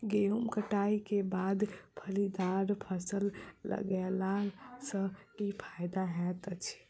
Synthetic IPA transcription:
ɡeɦumkəʈaikebad̪pʰəlid̪aɾpʰəsəllə̰ɡɛlasə̃ipʰajd̪aɦɛt̪t͡ʃʰ

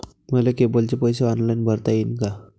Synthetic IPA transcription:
m̤əlekebolt͡ɕepəjseɔnlajnbʱəɾt̪ajinka

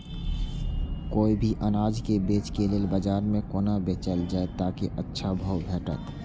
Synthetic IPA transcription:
koːibʱiʔɐnaːd͡ʒkebeːt͡ʃkeleːlbəd͡ʒaːɾmẽkoːnabeːt͡ʃəld͡ʒaːet̪aːkeʔɐtːʃʰabʱəwbʱɛːʈə̰t̪

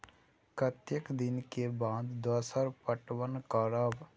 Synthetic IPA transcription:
kɾət̪jəkd̪ɪnkebaːd̪ːəsəɾpəʈwənkəɾab

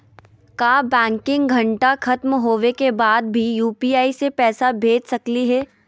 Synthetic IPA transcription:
kaːbɛ̃ːŋkɪ̃ŋɡɡʱɐ̃ɳʈaxɐt̪mɦoːʋekebaːd̪̚bʱijuːpiaːisepɛːsabʱeːd͡ʒsɐkliɦɛː

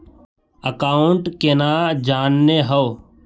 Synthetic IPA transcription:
əkaːʊɳʈkeːnãːd͡ʒaːnːeːɦoː

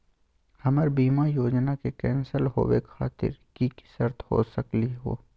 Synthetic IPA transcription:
hɐməɾbiːmajoːd͡ʒnakekɛ̃ːnsəlɦo̰ːwekʰa̰ːt̪ɪ̰ɾkiki̥səɾt̪ʰho̰ːsəkliɦo̰ː

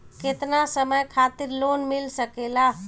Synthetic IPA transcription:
ket̪nasəməjkʰat̪iɾlonmilsəkela

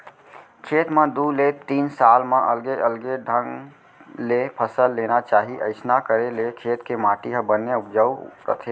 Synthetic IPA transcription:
kʰeːt̪mãd̪uːlet̪iːnsaːlmãʔəlɡeʔəlɡeɖʱə̃ŋɡ | lepʰəsəlːeːnat͡ʃaːɦiʔə̰ɪsnakəɾelekʰeːt̪kemaːʈiɦəbəneʊpd͡ʒəuɾə̰t̪ʰe

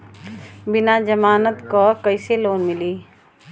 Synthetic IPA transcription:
bɪnad͡ʒəmaːnət̪kokəɪseloːnmɪliː

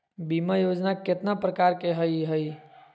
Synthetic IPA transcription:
bimajod͡ʒnaket̪napɾəkaɾkeɦəjɦəj

